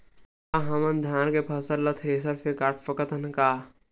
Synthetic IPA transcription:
aɦɐmɐnd̪ʱaːnkepʰɐsɐɾlɐt̪ʰɾeːsɐfʰekaːʈʰfɐkɐt̪ɐnkaː

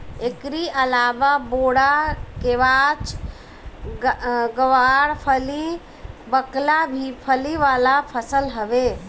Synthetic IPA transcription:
ekɾiʔəlaːʋaboːɽakeʋaːt͡ʃ | ɡəʋaːɽpʰəli | bəklabʱipʰəliʋaːlapʰəsəlɦəʋe

